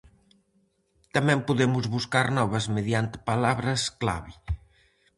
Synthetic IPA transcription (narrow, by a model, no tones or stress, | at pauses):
t̪əmɛmpuðɛmuzβuskaɾnɔβəzmeðjant̪palaβɾəskla̰βi